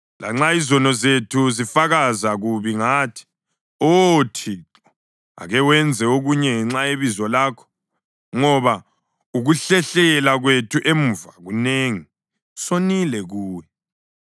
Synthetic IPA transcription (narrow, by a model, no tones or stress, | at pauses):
la̰ŋ͡ǁaizɔnɔzetʰuzifaɣazaɣuβiŋaːtʰi̥ | otʰi | a̰ɣɛwɛnd͡zʱɛoɣuɲɛŋɛŋ͡ǁaeβizɔlaːkʰɔ̥ | ŋɔβa | uɣuɬɛɬɛlaɣwetʰuʔem̩vaɣuneːŋi | sonilɛɣuːwɛ